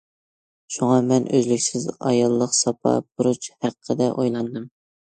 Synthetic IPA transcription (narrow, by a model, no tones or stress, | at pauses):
ʃuŋɑmɛnʔø̰zlykʲsɪzɑ̰jɑlˠːəqsɑpʰɑ̰b̥uɾut͡ʃhæqʰːəd̪ɛʔojlˠɑnd̪ɨm